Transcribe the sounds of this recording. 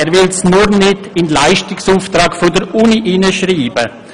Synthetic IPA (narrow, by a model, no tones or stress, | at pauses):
ɛːɾvɪlsnuɾnɪdɪnlaɪʃtɪksuːftɾɑːkfodəɾuniʔɪnəʃriːbə